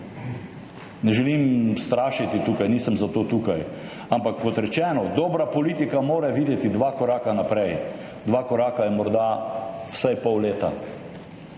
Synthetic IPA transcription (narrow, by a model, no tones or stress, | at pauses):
nɛʒɛlimst̪ɾaːʃit̪it̪uːkajniːsəmzat̪oːt̪uːkaj | ampakːɔt̪ɾɛt͡ʃɛːnɔd̪ɔːbɾapɔliːt̪ikamoːɾɛʋiːd̪jɛt̪id̪ʋaːkɔɾaːkanapɾɛj | d̪ʋaːkɔɾaːkajɛmɔɾd̪awsajpɔwleːt̪a̰